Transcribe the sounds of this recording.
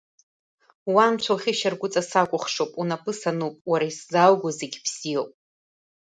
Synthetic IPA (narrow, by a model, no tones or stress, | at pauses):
wamt͡ɕʷʰawχʲiʃarɡʷʊt͡sʼasakʷʼʊχʂowpʼunapʰʼɨsanupʼwaɾaiszalɡʷoze̞ɡʲpʰsijowpʼ